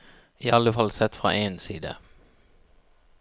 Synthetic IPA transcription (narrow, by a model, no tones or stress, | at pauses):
iːʔɑləfɑlsɛt̪fʁɑ̰ːʔeːnsiːd̪ə̰